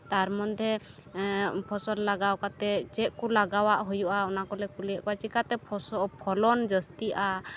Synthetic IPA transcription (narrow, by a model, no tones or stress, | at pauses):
t̪aɾmɔnd̪ʱɛ | pʰɔsɔllaɡawkat̪ɛt͡ʃɛʔkulaɡawaʔɦujuʔaɔnakɔlɛkulijaʔkɔat͡ʃikat̪ɛpʰɔsɔʔpʰɔlɔnd͡ʒəst̪iʔa